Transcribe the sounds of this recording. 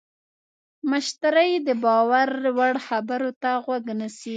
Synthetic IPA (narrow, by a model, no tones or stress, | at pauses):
məʃt̪aɾəjd̪əbɑwaɾwaɽxabaɾot̪aɣwaɡnasi